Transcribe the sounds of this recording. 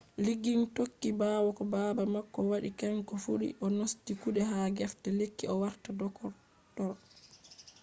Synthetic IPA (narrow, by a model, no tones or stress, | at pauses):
liɡintokːibawɔkɔbabamakːɔwaɗḭkaŋkɔfuɗḭʔɔnostikuɗɛhaɡɛftɛlekːiɔwaɾtadɔkɔɾ | tɔl